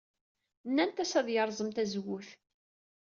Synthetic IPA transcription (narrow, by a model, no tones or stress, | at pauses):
nːænt̪æsæðjəɾˤzˤəmt̪æzwʊθ